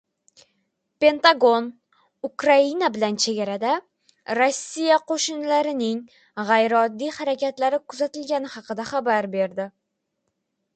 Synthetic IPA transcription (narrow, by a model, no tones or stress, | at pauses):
pe̞nt̪aɡo̞n | ʊkɾainabɪlant͡ʃʰe̞ɡʲaɾad̪a | ɾosːijaqʰoʃɪnlaɾɪnɪŋ | ʁɑjɾɪɒd̪ːijhaɾakʲat̪laɾɪkʰʊzat̪ɪlɡʲanɪhɑqɨd̪aχabaɾbe̞ɾd̪ɪ